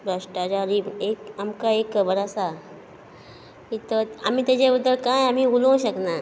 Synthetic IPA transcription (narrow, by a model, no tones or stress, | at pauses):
bɾəʂʈat͡ʃaːɾieːkəmkaeːkbəɾasa | kit̪əəmĩt̪ed͡ʒebəd̪əlkãɦeəmĩulõʃəkna